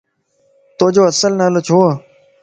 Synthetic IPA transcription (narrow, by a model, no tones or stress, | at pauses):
t̪oːd͡ʒoːəsəlnaːloːt͡ʃʰoː